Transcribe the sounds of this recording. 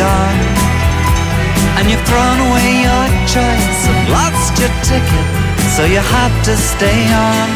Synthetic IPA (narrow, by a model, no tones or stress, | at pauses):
ən | ɨ̃njɨθɹõʊ̃nəweɪjə˞t͡ʃʰɜ˞ | sɨ̃nlɑtst͡ʃətʰɪkl̩ˠ | soʊjɨhæftɨsteɪə | n